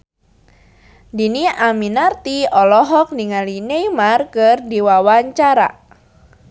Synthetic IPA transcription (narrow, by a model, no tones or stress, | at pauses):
diniʔaminart̪iɔlɔɦɔk̚niŋalinejmarkɨrdiwawaɲt͡ʃaɾa̰